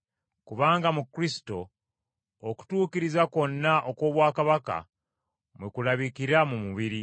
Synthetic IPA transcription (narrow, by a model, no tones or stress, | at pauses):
kuβaːŋɡamukɾisi̥to̞ː | ku̥tuːkiɾizako̞nːaʔoko̞ːβwaːkaβaka̰ | mwekulaβikiɾamumuβiɾi